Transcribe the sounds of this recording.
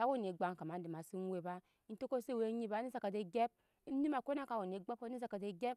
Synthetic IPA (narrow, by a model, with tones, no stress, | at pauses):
ka˦wo˦˨n˨e˨ɡ͡ba˦ŋka˨ma˨n̩˦di˨ma˨si˦n˦we˦˨ba˦ | n̩˦to˦ko˦se˦˨we˦ɲi˦ba˦i˦za˨ka˨de˦ɡe˦b̚ | ni˦ma˨ko˦na˦ka˨wo˨n˨e˨˦ɡ͡ba˦p̚ko˦i˦za˨ka˨de˨ɡe˦p̚